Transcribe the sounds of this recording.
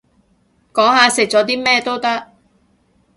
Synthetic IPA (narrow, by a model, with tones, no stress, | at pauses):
kɔː˨˥ŋɦaː˨˧sɪ˨k̚t͡sɔː˨˥t̪̬iː˥mɛː˥t̪o˥wt̪ɐ˥k̚